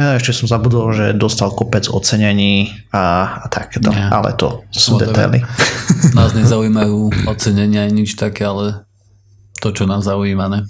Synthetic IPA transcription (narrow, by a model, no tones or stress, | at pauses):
ɛʃcɛsɔmzabud̪ɔlʒɛd̪ɔst̪alkɔpɛd͡zɔ̰t͡sɛɲɛɲiː | at̪ʰakɛːt̪ɔʔa̰lɛ̰t̪ɔ̰sud̪ɛ̰t̪a̰jlinaːzɲɛzauiːmajuːɔt͡sɛɲɛɲɪajɲit͡ʃt̪akɛalɛ | t̪ɔt͡ʃɔnaːmzaujiːmaɲɛ